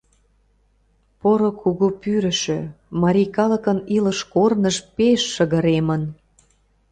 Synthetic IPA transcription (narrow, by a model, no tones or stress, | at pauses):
poɾokʰuɣupyɾə̆ʃø | mɑɾʲijkɑlə̆kəniləʃkornəʃpeʃːəɣə̆ɾemən